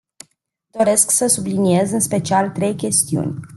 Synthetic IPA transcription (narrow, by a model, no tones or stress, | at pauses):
d̪o̞ɾe̞sksəsublinie̞zɨnspe̞t͡ʃialt̪ɾe̞jkʲe̞st̪iṵnʲ